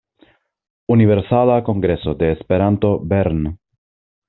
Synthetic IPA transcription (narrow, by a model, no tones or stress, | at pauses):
univeɾsalako̞ŋɡɾe̞so̞d̪eːspeɾant̪obeɾn